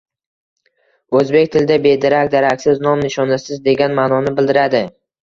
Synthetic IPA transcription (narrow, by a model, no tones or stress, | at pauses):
ɵzbe̞kʲt̪ʰɪld̪abe̞d̪aɾak̚ʲd̪aɾakʲsɪznɒmnɪʃɒnɪsɪzd̪e̞ɡʲanmaːnɒnɪbɪld̪ɪɾad̪ɪ